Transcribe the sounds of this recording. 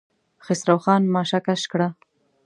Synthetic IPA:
xɪsɾawxɑːnmɑʃakaʃkɽa

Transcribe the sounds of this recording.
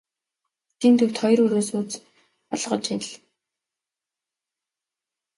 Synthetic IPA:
t̪iːnt̪ʰɵw̥t̪χɔjruɾoːsuːt͡s | ɔɮʁə̆t͡ɕiɮ

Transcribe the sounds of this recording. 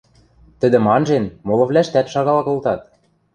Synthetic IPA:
t̪ə̆d̪ɘ̆mɑnʒenmolɤ̆βlæʃt̪æt̪ʃɑɣɑlɑkɤ̆lt̪ɑt̪̚

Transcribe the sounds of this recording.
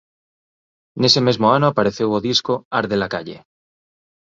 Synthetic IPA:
ne̞semezmoanoapaɾeθewoðiskoaɾðelakaʎḛ

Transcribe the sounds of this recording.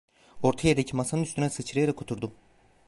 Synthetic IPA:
o̞ɾt̪ʰajed̪ecʰimasanɯnyst̪ʰynɛsɯt͡ʃʰɯɾajaɾakʰːot̪ʰuɾd̪u

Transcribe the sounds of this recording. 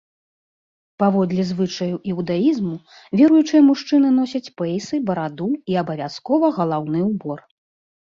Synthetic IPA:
pavɔd̪lʲɛzvɨt͡ʂɐjuʔɛwd̪ajizmu | vʲɛɾujut͡ʂɨjɐmuʂt͡ʂɨn̪ɨnɔsʲɐt͡sʲpɛjsɨbɐɾad̪uiɐbɐvʲaskɔvɐɣɐlˠawnɨwbɔr

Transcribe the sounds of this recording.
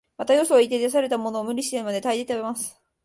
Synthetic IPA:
mat̪ajosoit̪ed̪as̬aɾe̞t̪amo̞no̞ːmɯ̟ɾʲiɕi̥t̪eɯmad̪e̞t̪aid̪et̪eimasɨ̥

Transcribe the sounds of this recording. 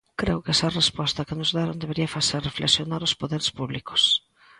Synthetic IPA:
kɾewkɛsɐrespɔst̪ɐkɪnʊzðaɾond̪eβeɾiɐfaserreflḛksjonaɾospoðeɾespuβliko̥s

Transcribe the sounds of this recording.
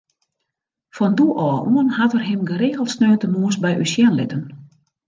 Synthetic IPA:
fɔnduʔɔːʔuənhatərɦɪmɡəɾeːɣəlˠsnøːtənuəsbɛjʔysjɛnlɪ̰tən

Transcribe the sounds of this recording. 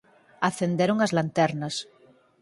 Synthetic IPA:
aθend̪eɾoŋazlant̪ɛɾnas

